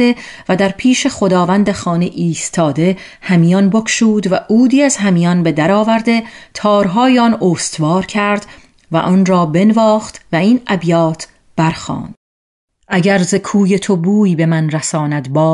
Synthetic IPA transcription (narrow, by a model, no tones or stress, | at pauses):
evæd̪æɾpʰiːʃe̞χo̞d̪ɒːvænd̪exɒːneʔiːst̪ʰɒːd̪e̞ | hæmijɒnbokʰʃuːd̪væʔuːd̪iːæz̥hæmijɒnbe̞d̪æɾɒːvæɾd̪e̞t̪ʰɒːɾɦɒːjeɒnoːst̪vɒːɾcʰæɾd̪ | væ̰ʔɒːnɾɒːbe̞nvɒːxt̪væiːnæbjɒːt̪ʰ | b̥æɾxɒ̰ːnd̪̥ | ʔæɟæɾzekʰuːjet̪ʰo̞buːjbe̞mænɾæsɒːnæd̪bɒː